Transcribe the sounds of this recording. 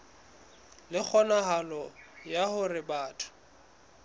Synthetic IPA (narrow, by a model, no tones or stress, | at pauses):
lɪk͡xʰɔnaɦalɔjahʊrɪbaːtʰʊ̥